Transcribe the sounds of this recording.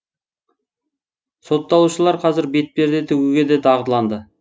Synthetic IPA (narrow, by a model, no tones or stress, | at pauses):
so̞t̪ːɑlˠuʃəlˠɑɾqʰɑzɪɾbe̞t̪̚pe̞ɾd̪ɪt̪ʰɵɡʲuɡʲe̞d̪et̪ʰɑʁət̪lˠɑnd̪ə